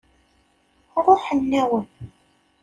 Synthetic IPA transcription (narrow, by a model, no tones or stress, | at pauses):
ɾˤoħənːæwən